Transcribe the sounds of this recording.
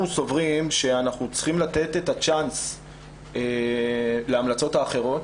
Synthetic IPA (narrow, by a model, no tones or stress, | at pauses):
uso̞vʁimʃe̞anaχnut͡sχimlat̪e̞t̪et̪at͡ʃans | e | leamlat͡so̞taːχe̞ʁo̞t